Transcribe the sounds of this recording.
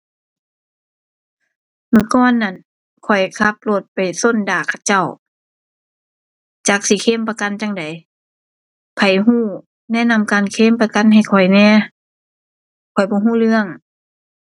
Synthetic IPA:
mɯː˧˩˨kɔː˧˥˨nːa˧˩˨n | kʰɔ˨˩jkʰa˧˦p̚lo˧˩t̪̚pa˨˩jso˧˨ndaː˨˩kʰa˧˩t͡ɕa˧˩˨w | t͡ɕaː˧˩k̚siː˧˦kʰeː˧˥˨mpa˧ka˧˨nt͡ɕa˧˥ŋda˨j | pʰa˨˩jɦuː˧˥˩ | nɛː˧˥˨na˧˨mkaː˨nkʰeː˧˥˨mpa˧ka˧˨nɦa˧˨˩jkʰɔ˨˩jnɛː˧˥˨ | kʰɔ˨˩jbɔː˧˦ɦuː˧˥˨lɯ˧˨əŋ

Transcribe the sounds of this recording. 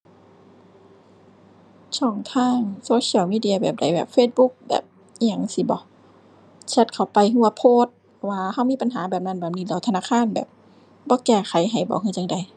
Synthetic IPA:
t͡ɕʰɔː˧˩ŋt̪ʰaː˧˥˩ŋsoː˧ɕʰi˧˨wmiː˧di˧˨ɐ˧bɛː˨˩p̚da˨˦jbɛ̰ː˨˩p̚feː˧˩t̪̚bu˧˥k̚bɛ̰ː˨˩p̚ | ɲa˧˩˨ŋsi˧˦bɔ̰˧˦ | t͡ɕʰɛ˧t̪̚kʰa˨˩wpa˨jhu˧˩wa˧pʰoː˧˩t̪̚ | waː˧ha˧˩˨wmiː˧˥˨pa˧˨nɦaː˨˦bɛː˨˩p̚na˧˨nbɛː˨˩p̚niː˧˩lɛː˧˨˦t̪ʰa˧naː˧˥˨kʰaː˧˥˨nbɛ̰ː˨˩p̚ | bɔː˧˦kɛː˧˩xʰa˨˦jɦa˨˩jbɔ̰ː˧˦hʰɯ˧˨t͡ɕa˧ŋda˨˦j

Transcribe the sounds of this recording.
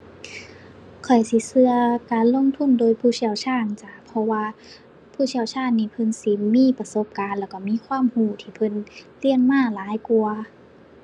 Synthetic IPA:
kʰɔ˨˩jsi˧˦sɯ˧ɐkaː˨nlo˧˥˨ŋt̪ʰu˧˥˨ndoː˨˧˨jpʰuː˧˥˩si˧˩əwt͡ɕʰaː˧˥˩ŋt͡ɕaː˧˩pʰɔ˧waː˧ | pʰuː˧˥˩si˧˩ə˨wt͡ɕʰaː˧˥˩nːiː˧˩pʰɤ˧˨nsi˧˦miː˧˥˨pa˧so˧˦p̚kaː˨nlɛː˧˩kɔ˧˩miː˧˥˨kʰwaː˧˥˨mhuː˧˩t̪ʰiː˧˩pʰɤ˧˥˨nli˧˥˨ənmaː˧˥˨laː˨˦jku˧ɐ

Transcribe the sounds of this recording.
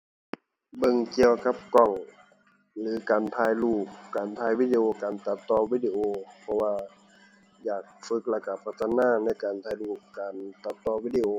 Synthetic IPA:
bɤ˧ŋki˧əwka˧˦p̚kɔ˨˩ŋ | lɯː˨˦kaː˨nt̪ʰaː˧jluː˧˩k̚kaː˨˩nt̪ʰaː˧˩jwiː˧˥di˧ʔoː˧kaː˨˩nt̪a˧˦t̪ːɔː˧wiː˧˥di˧ʔoː˧pʰɔ˧waː˧ | jaː˨˩k̚fɯ˧˦˥k̚lɛː˧˩ka˧˩pʰa˧˩t̪ʰːa˧naː˧˥˨na˧˥˨jkaː˨˩nt̪ʰaː˧jluː˧˩k̚kaː˨nt̪a˧˥t̪ːɔː˧wiː˧˥di˧ʔoː˧

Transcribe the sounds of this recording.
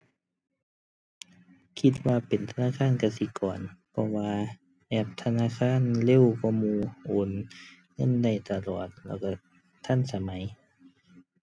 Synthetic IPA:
kʰi˧t̪̚waː˧pe˨˩nt̪ʰa˧naː˧˥˨kʰaː˧˥˨nka˧˩si˧˦kɔː˨˩npʰɔ˧waː˧ | ʔɛː˧˩p̚t̪ʰa˧naː˧˥˨kʰaː˧˥˨nle˧˥˨wkɔː˧˨muː˧ʔo˨˦n | ŋɤ˧˥˨nda˧˩jt̪a˧˩lɔː˨˩t̪̚lɛː˧˩wka˧˩ | t̪ʰa˧˥˨nsa˨˧˦ma˨˦j

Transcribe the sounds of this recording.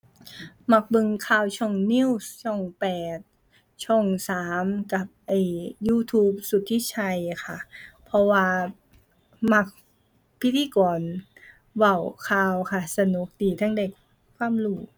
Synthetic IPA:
ma˧˩k̚bɤ˧ŋkʰaː˧˨wt͡ɕʰɔ˧˩ŋni˧˥˨wst͡ɕʰɔ˧˩ŋpɛː˨˩t̪̚ | t͡ɕʰɔ˧˩ŋsaː˨˩˦mka˨˩p̚ʔa˧˩jjuː˧˩t̪ʰuː˧p̚su˨˩t̪ʰːi˧˥t͡ɕʰa˧jkʰa˧˩pʰɔ˧waː˧ | ma˧˩k̚ | pʰi˧˥t̪ʰiː˧˨kɔː˨˩n | wa˧˩wkʰaː˧wkʰa˧˩sa˧nu˧˦k̚diː˨˩t̪ʰa˧˥˨ŋde˨˩k | kʰwaː˧˥˨mluː˧˩

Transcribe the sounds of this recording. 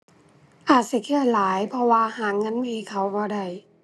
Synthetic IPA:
ʔaː˨˩t̪̚si˧˩kʰɯ˧˩ə˩laː˨˦jpʰɔ˧waː˧haː˨˩ŋŋːɤ˧˥˨nmiː˧˩kʰa˨˩wbɔː˧˦da˧˩j

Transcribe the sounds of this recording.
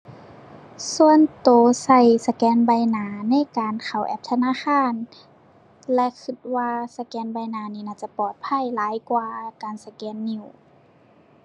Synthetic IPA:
su˧˨ənt̪oː˨˩sa˧˩jsa˧kɛː˧˥nba˧˩jnaː˨˧˦na˧˥˨jkaː˨nkʰa˨˩wʔɛ˧p̚t̪ʰa˧naː˧˥˨xaː˧˥˨n | lɛ˧kʰɯ˧˩t̪̚waː˧sa˧kɛː˧˥nba˧˩jnaː˨˧niː˧˩naː˧˩t͡ɕa˧˦pɔː˨˩t̪̚pʰa˧˥˨jlaː˨˧˦jkwaː˧kaː˨nsa˧kɛː˧˥nːi˧˩˨w

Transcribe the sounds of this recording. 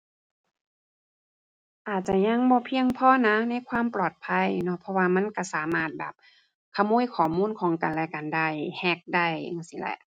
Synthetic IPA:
ʔaː˨˩t̪̚t͡ɕa˧ɲa˧˥˨ŋbɔː˧˦pʰi˧əŋpʰɔː˧˥˨na˦˥na˧˥˨jkʰwaː˧˥˨mplɔː˨˩t̪̚pʰa˧˥˨jnɔ˧˥pʰɔ˧waː˧ma˧˥˨nka˧˩saː˨˦maː˧˥˩t̪̚bɛː˨˩p̚ | kʰa˧˨muː˧˥˨jkʰɔː˨˩muː˧˥˨nkʰɔː˨˩˦ŋka˨nlɛ˧˨ka˨˩nda˧˥˩jhɛ˧˩k̚da˧˥˩ja̰˧˨ŋsi˧˦lɛ̰˧˩˨ʔ

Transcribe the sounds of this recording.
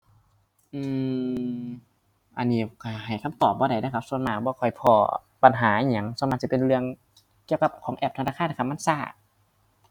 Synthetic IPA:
ʔɯː˧˩ | ʔa˧nːiː˧˩ka˧˩ha˨˩jkʰa˧˥˩mt̪ɔː˨˩p̚bɔː˧˦ɾa˧˩jna˧˩kʰa˧˥p̚su˧˨nmaː˧˩bɔː˧˨kʰɔ˨˩jpʰɔ̰ː˧ | pa˧˨nɦaː˩˦ʔa˧˨ɲa˧˩ŋsa˨˧˦ma˧t̪̚si˧˥pe˧nɾɯ˧əŋ | ki˧əwka˧p̚kʰɔː˨˦ŋʔɛː˧˩p̪̚ʰa˧naː˧xʰaː˧˥˨nːa˧˩ka˧˥ma˧˥˨nsaː˧˩

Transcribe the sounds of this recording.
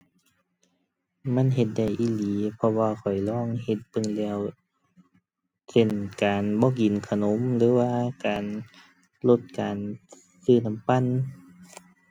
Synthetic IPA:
ma˧˥˨nɦe˧t̪̚da˧˩jʔiː˧˥˨liː˨˦pʰɔ˧waː˧kʰɔ˨˩jlɔː˧˥˨ŋhe˧t̪̚bɤ˧˨ŋlɛː˧˩˨w | se˧˩˨nkaː˨nbɔː˧˦˨ki˨˩nkʰa˧˨no˧˦mlɯː˨˦waː˧˨kaː˨n | lo˧t̪̚kaː˨n | sɯː˧˩na˧˥˨mpa˧˥˨n

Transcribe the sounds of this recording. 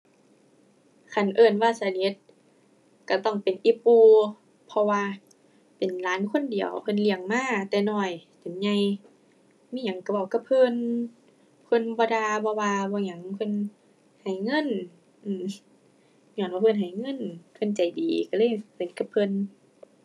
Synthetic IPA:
kʰa˧˩nʔɤː˧˩˨nwaː˧sa˧ni˧˦˥t̪̚ | ka˧˩t̪ɔ˧˩ŋpe˨nʔi˧˦pːuː˧ | pʰɔ˧waː˧ | pe˨˩nlaː˨˦˥nkʰo˧˥˨ndi˨əwpʰɤ˧˨nli˧˩əŋmaː˧˨t̪ɛː˧nɔː˧˩jt̪e˨˦mɲa˧˨j | miː˧˥˨ɲa˨˦ŋka˧bɔ˧˩ka˧pʰɤ˧˨n | pʰɤ˧˥˨nbɔː˧daː˧bɔ˧waː˧bɔː˧˦ɲa˧˦ŋ˧pʰɤ˧˥˨n | ha˨˩jŋɤ˧˥˨n | ʔɯː˧˩m | ɲɔː˧˨nbaː˧pʰɤ˧˨nɦa˨˩jŋɤ˧˥˨npʰɤ˧˨nt͡ɕa˨˩jdiː˨ka˧lɤː˧˥˨jse˨˦ka˧˦p̚ʰɤ˧˨n

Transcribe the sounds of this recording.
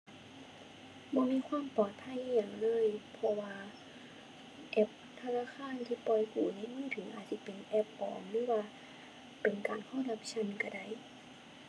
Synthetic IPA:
bɔː˧˥miː˧˥˨kʰwaː˧˥˨mpɔː˨˩t̪̚pʰa˧˥˩jʔiː˧˩ɲaː˨˩ŋlɤː˧˥˨jpʰɔ˧waː˧ | ʔɛ˧p̚t̪ʰa˧naː˧˥˨kʰaː˧˥˨nt̪ʰiː˧pɔ˧˩jkuː˨˩niː˧˥˨mɯː˧˥˨t̪ʰɯ˨˩˦ŋʔa̰ː˨˩t̪̚sʰi˧˦pe˨nʔɛ˧p̚ʔɔ̰ː˨˩mlɯː˧˥˨waː˧ | pe˨nkaː˨nkʰɔː˧˥˩la˧˥p̚t͡ɕʰa˧˥˨nka˧˩da˧˩˨j

